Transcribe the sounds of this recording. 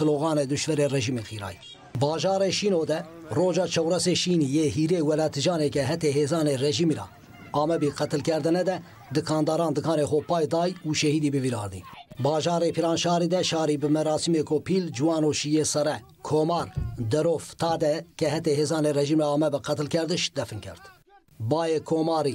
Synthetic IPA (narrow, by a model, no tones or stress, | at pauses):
ɨloːɣɑːned̪uʃvɛɾeːrɛʒiːmeqʰiːɾɑ̰ːj | bɑːʒɑːɾeʃiːnoːd̪ɛ | roːd͡ʒɑːt͡ʃʰɛwrɛseːʃiːnijeːhiːɾeːwɛlɑːt̪ʰɨʒɑːneːkɛɦɛt̪eɦeːzɑːnerɛʒiːmiɾɑ̰ | ɑːmɛbiqɛt̪ɨlkɛɾd̪ɨnɛd̪ɛ | d̪ɨkʰɑːnd̪ɑːɾɑːnd̪ɨkʰɑːneːxoːpɑːjd̪ɑːjuːʃɛhiːd̪iːbɨviːɾɑ̰ːɾd̪ḭːbɑːʒɑːɾeːpʰiɾɑːnʃɑːɾiːd̪ɛʃɑːɾiːbɨmɛɾɑːsimeːkopʰiːld͡ʒuwɑːnoːʃijeːsɛɾɛ | kʰoːmɑːɾd̪ɛɾoːft̪ʰɑːd̪ɛkɛɦɛt̪eːɦeːzɑːneːrɛʒiːmɾɑɑːmɛbɨqɛt̪ɨlkɛɾd̪ɨʃd̪ɛfɨnkʰɛ̰ɾt̪ | bɑːjeːkʰomɑːɾiː